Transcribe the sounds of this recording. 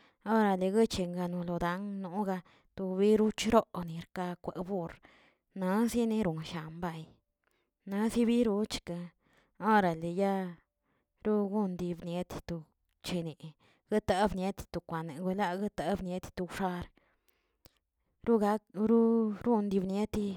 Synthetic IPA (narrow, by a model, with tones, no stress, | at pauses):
o˦ɾa˨le˨ɡə˦t͡ʃe˨ŋɡa˧nu˧lo˨d̪a˨˦ŋnu˨˦ɡa˧ | t̪u˧bi˦ɾu˦t͡ʃɾo˦ʔni˨ɾka˧kʷe˨bu˦ɾ | na˧˦si˦ne˧ɾu˨nʃa˨mba˦˧˨j | na˧˦si˦βi˦ɾu˧˦t͡ʃka˧ | o˦ɾa˨le˨ja˦ | ɾu˦ɡu˦nd̪i˧bnje˧˦t̪t̪u˨˧ | t͡ʃe˧ne˨ | ɡ̥ɨ˦t̪a˧˦bne˦t̪t̪u˨kʷa˨ne˨ɡu˧la˧ɡɨ˦t̪a˨˦bnje˦t̪t̪u˧ʂa˧ɾ | ɾu˦ɡa˧˦ɾu˦ɾu˦nd̪i˧bnje˦t̪i˧